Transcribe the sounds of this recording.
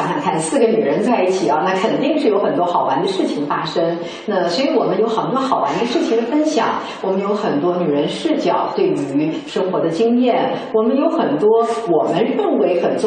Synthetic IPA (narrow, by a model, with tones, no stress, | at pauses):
ŋʂɑ˨˩ŋkʰa˥˩nsɹ̩˥˩ɡə˩ny˨˩ɻə˧˥nt͡sa˥˧ɪi˥˩t͡ɕʰi˨˩ɐ˧˦na˥˩kʰə˨˩nt̪i˥˧ŋʂɻ̩˥˩jo˧˥ʊxə˨˩nt̪wɔ˥xɑ˨˩ʊwa̰˧˥nd̪ə˧ʂɻ̩˥˩t͡ɕʰi˨˩ŋfa˥ʂə˥ŋ | na˥˩swɔ˧˥i˧˥wɔ˨˩mə˦njo˧˥ʊxɑ˨˩t̪wɔ˥xɑ˨˩ʊwa̰˧˥nd̪ə˧ʂɻ̩˥˩t͡ɕʰi˨˩ŋd̪ə˦fə˥nɕjɑ̰˨˩˦ŋ | wɔ˨˩mə˧˦njo˧˥ʊxə˨˩nt̪wɔ˥ny˨˩ɻə˧˥nʂɻ̩˥˩t͡ɕjɑ˨˩˦ʊt̪we˥˩ɪy˧˥ʂɤ˥ŋxwɔ˧˥d̪ə˧t͡ɕi˥ŋjɛ˥˩nwɔ˨˩mə˧˦njo˧˥ʊxə˨˩nt̪wɔ˥wɔ˨˩mə˦nɻə˥˩ŋwe˧˥ɪxə˨˩nt͡s